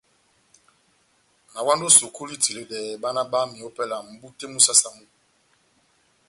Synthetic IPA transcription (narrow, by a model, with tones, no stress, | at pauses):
na˨wa˦ndo˦so˨kʰu˦li˦ti˨le˨dɛ˨ba˦na˦ba˦mi˨o˦pɛ˦la˨m̩˨bu˦te˦mu˦sa˦sa˨mu˦